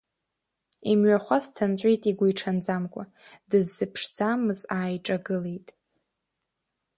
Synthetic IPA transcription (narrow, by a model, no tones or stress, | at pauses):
imɥaχʷast͡sʰant͡ʃʷʼijtʼiɡʷujʈ͡ʂʰand͡zamkʷʼa̰ | d̥ɨzːɨpʰʂd͡zamɨzaːjʈ͡ʂʼaɡɨlejtʼ